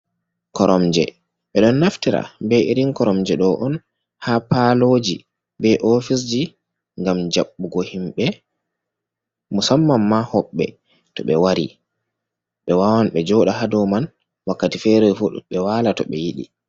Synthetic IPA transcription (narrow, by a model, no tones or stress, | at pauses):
kɔɾʔɔmd͡ʒɛ̰ | ɓɛɗɔnːaftiɾa̰bɛiɾiŋkɔɾɔmd͡ʒɛɗɔʔɔn | hapalod͡ʒi | bɛʔofis̬d͡ʒi | ŋɡamd͡ʒaɓːuɡɔhimɓɛ | musamːamːahɔɓːɛ̰ | tɔɓɛwaɾḭ | ɓɛwawanɓɛd͡ʒɔɗaɦadɔman | wakːatifɛɾɛjfuɓɛwalatɔɓɛjiɗḭ